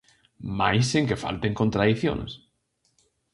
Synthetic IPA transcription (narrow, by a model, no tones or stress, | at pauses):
majseŋkefa̰lt̪eŋkont̪ɾaðiθjo̰n̰s